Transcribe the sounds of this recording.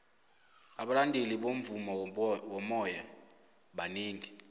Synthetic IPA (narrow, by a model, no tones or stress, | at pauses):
aɓalandʱeliɓom̩vumɔwɔmɔja | ɓaniːŋi